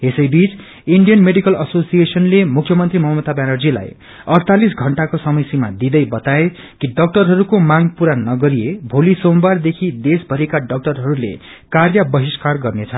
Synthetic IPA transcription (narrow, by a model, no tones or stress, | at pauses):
ɦesʌjbit͡s | iɳɖijʌnmeɖikʌlʌsosijesʌnlemukʰjʌmʌnt̪rimʌɦmʌt̪abanʌrd͡zila̰j | ʌrt̪ʰalisɡʱʌɳʈakosʌmʌjsima̰d̪id̪ʌjbʌt̪ae | kiɖʌk̚ʈʌrɦʌɾukomaŋpuɾanʌɡʌɾiebʱolisombard̪ekʰid̪esbʱʌɾekaɖʌk̚ʈʌrɦʌɾulḛ | karjʌbʌɦiskarɡʌrnet͡sʰʌ